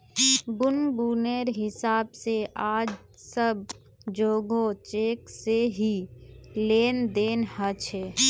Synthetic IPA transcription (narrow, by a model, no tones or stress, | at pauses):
bʊnbuːneɾɦɪsaːbseʔaːd͡ʒ | səb | d͡ʒoːɡot͡ʃeːkseɦipleːnd̪eːnɦət͡ʃʰeː